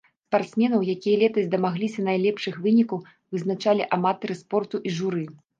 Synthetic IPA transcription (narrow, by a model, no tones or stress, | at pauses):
spart̪smʲɛnɐwjakʲijɐlʲɛt̪ɐzʲd̪ɐmaɣlʲisʲɐnajlʲɛpʂɨxvɨnʲikɐw | vɨznat͡ʂalʲiʔamat̪ɐɾɨspɔrt̪uʔiʐuɾɨ